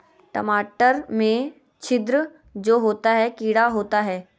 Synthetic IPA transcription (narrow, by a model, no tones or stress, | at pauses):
ʈəmaːʈəɾmẽ | t͡ʃʰɪd̪ɾə | d͡ʒoːɦoːt̪aɦɛkiːɽaɦoːt̪aɦɛː